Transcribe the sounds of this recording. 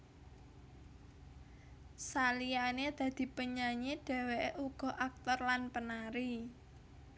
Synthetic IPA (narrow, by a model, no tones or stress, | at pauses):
salijaned̪̥ä̤d̪̥i̤pəɲaɲeɖ̥ɛ̤weʔuɡ̥ɔ̤ʔak̚t̪ɔrlanpənaɾi